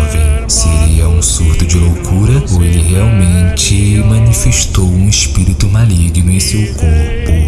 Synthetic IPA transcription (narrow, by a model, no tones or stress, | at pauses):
vẽj̃sɪelɪɛũsuɾt̪ʊd͡ʒɪlowkʰuɾɐoelɪɦeawmẽnt͡ʃɪmɐ̃nifeʃt̪owũiʃpiɾit̪ʊmaliɡnʊẽj̃sewkoɾpʊ